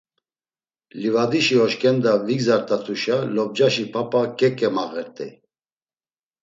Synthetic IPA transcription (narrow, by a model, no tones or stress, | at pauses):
livad̪iʃiɔʃkʼɛnd̪aviɡzaɾt̪ʼat̪ʰuʃalɔb̚d͡ʒaʃipʰapʼakʼɛkʼɛmaɣɛɾt̪ʼɛ̰